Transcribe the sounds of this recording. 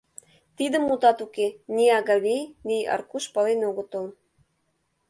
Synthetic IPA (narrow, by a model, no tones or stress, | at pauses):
t̪id̪ə̆mut̪ɑt̪ukenʲiɑɣɑβejniɑ̰rkuʃpɑlenoɣə̆t̪ol